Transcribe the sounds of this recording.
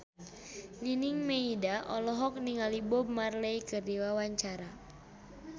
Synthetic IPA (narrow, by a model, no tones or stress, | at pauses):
ɲiniŋmeidaʔɔlɔɦɔk̚niŋalibɔbmarlɛjkərdiwawaɲt͡ʃaɾa